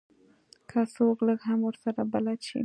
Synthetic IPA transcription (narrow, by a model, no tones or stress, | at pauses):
kʰasokləɡɦamwəɾsaɾabalat͡ʃḭ